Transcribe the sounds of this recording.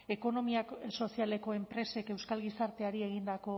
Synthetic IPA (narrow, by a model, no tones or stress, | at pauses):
e̞ko̞no̞miaso̞siale̞ko̞e̞mpɾe̞se̞ke̞wskalɣisaɾt̪e̞aɾie̞ɣ̞ind̪ako̞